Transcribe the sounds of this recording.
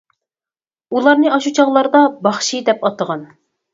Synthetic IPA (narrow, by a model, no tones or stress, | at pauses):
ulˠɑɾnɨɑʃut͡ʃʰɑʁlˠɑɾd̪ɑbɑχʃid̪ɛpɑt̪əʁɑn